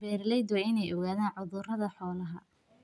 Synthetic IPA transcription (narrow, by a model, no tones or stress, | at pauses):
bɛːrlɛjd̪wɛɪnɛjɔɣaːðaːnʕʊðʊrɐðɐħɔːlɐɦɐ